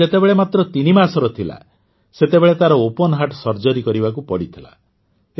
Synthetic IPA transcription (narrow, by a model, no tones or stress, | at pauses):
et̪ebeɭemat̪ɾɔt̪inimasɔɾɔt̪ʰila̰ | set̪ebeɭet̪aɾɔopɔnɔɦaʈsɔɾd͡ʒɔɾikɔɾibakupɔɽit̪ʰila̰